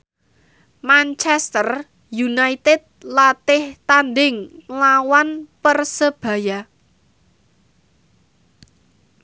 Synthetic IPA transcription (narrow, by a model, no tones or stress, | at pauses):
mant͡ʃɛst̪ər | junait̪ɛd̪̚lat̪ɪht̪anɖɪŋlawanpərsəb̥ä̤ja